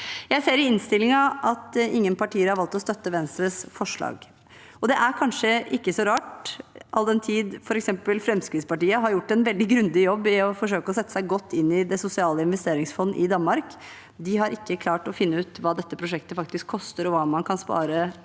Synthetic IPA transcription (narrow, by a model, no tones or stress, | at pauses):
jæɪseːɾɪɪnst̪ɪlːɪŋɑʔɑt̪ɪŋːənpɑʈiːəɾhɑɾʋɑlt̪ɔst̪œt̪ːəʋɛnst̪ɾəsfɔʂɭɑ̰ːɡ | ɔd̪ɛʔæɾkʰɑnʂəʔɪkːəsɔɾɑːʈʔɑld̪ɛnt̪ʰiːd̪fɔɾɛksɛmpəlfɾɛmskɾɪt̪spɑʈiːəɦɑɾjʊʈːɛnʋɛld̪ɪɡɾʉnd̪ɪjɔbːɪɔfɔʂ̬øːkəɔsɛt̪ːə̥sæɪɡɔt̪ːɪnːɪd̪ɛsʊsɪɑːləɪnʋɛst̪eːɾɪŋsfɔnːəʔɪd̪ɑnmɑɾk | d̪ɪɦɑɾʔɪkːəkʰlɑːʈɔfɪnːəʉːt̪ʋɑːd̪ɛt̪ːəpʰɾʊʂɛkt̪əfɑk̚t̪ɪskʰːɔst̪əɾɔʋɑːmɑnkʰɑnspɑ̰ːɾə